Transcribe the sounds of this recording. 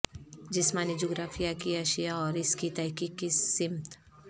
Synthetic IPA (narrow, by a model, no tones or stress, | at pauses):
d͡ʒɪsmãːnid͡ʒoɡɾaːfʰijakiɐʃijaɔːɾɪskit̪ɛɦkiːkːissɪmt̪